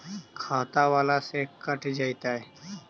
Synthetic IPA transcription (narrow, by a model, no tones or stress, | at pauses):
kʰaːt̪aʋaːlasekəʈʰd͡ʒaːjt̪aɦɛ